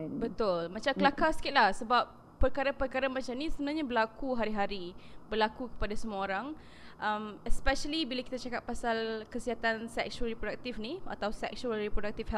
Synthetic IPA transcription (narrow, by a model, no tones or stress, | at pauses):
bət̪ʊlmat͡ʃamkəlakasə̥kɪt̪lahsəbap̚ːərkaɾapərkaɾamat͡ʃamnĩsəbənaɲabərlakuɦaɾiɦaɾibəlakukə̥padasəmuaoɾaŋ | ʔamɛspɛʃəlibilaki̥t̪at͡ʃakapːasalkəsiat̪ansɛk̚sualɾipɾodak̚t̪ifnia̰t̪awsɛk̚sualripɾodak̚t̪ifɦɛ